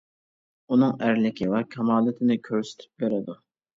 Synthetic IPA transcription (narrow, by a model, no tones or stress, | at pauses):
unɨŋæɾlɪkʲʰiwɛkʲʰɑmɑːlˠɨt̪ʰɪnɪkʲʰøɾsɪ̥t̪ʰy̥p̚beɾɪd̪u